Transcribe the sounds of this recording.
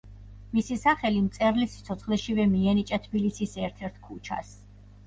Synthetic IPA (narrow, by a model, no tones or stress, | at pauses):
misisaχɛlimt̪sʼɛɾlisi̥t̪sʰɔt̪sʰχlɛʃivɛmiɛnit͡ʃʼat̪ʰbilisisɛɾt̪ʰɛɾt̪ʰkʰut͡ʃʰa̰s